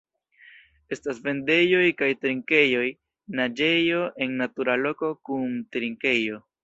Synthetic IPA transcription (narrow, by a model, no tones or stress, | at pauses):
e̞stasve̞nde̞jo̞jkajtɾiŋke̞jo̞j | nad͡ʒe̞jo̞ʔe̞nːatuɾalo̞ko̞kuntɾiŋke̞jo̞